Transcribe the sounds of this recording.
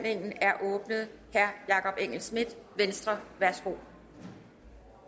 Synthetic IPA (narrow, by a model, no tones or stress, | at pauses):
n̰e̝ŋ̰n̩æɐʔɔːb̥nəð̞̩ˠhæɐjɑ̈kʰɒ̽b̥eŋ̰l̩smid̥ˠʋensd̥ʁɐʋæɐsɡ̥o̝̰